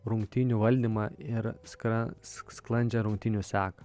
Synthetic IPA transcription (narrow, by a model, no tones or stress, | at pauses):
ɾʊŋkt̪ʲinʲuːʋɐlʲd̪ʲiːmɑɪɾsɐssklˠɐnʲd͡ʒʲɛɾʊŋʲk̚ʲt̪ʲɪnʲuːsʲæːkɐ